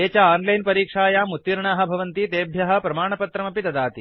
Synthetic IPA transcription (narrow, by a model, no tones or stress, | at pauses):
eːt͡ʃɐaːnlɐjnpɐɾiːkʂaːjaːmut̪ʋiɾɳaːɦɐ̆bʱɐʋɐnt̪it̪eːbʱjɐɦɐ̆pɾɐmaːɳɐpɐt̪ɾɐmɐpit̪ɐd̪aːt̪i